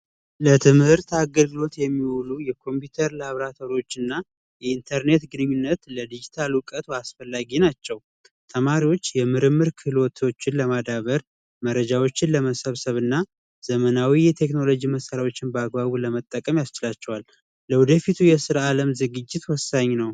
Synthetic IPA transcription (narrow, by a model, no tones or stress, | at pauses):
lət̪ʰɨmhɨɾt̪aɡəlɡɨlo̞t̪jɛmːiwulujɛkʰo̞mpjut̪ʰəɾlaβɾat̪ʰoɾo̞t͡ʃːɨnːa | jɛint̪ʰəɾne̞t̪ɡɨnɨɲːunːət̪ləd̪id͡ʒit̪ʰalwʊkʼət̪basfəlːaɡinat͡ʃːɛw | t̪ʰəmaɾiwo̞t͡ʃːjɛmɨɾɨmːɨɾkʰɨlwɔt̪ʰot͡ʃːɪnləmad̪aβəɾ | məɾəd͡ʒawo̞t͡ʃːɪnləməsəβsəβɨnːa | z̥əmənawijɛt̪ʰe̞kno̞lo̞d͡ʒiməsəɾawo̞t͡ʃːɪnbəaɡbaβuləmət̪ʼːəkʼəmjast͡ʃɪlat͡ʃːɛwal | ləwud̪əfit̪ʰujɛsɨɾaaləmzɨɡɨd͡ʒːɪt̪wɔsːaɲːnəw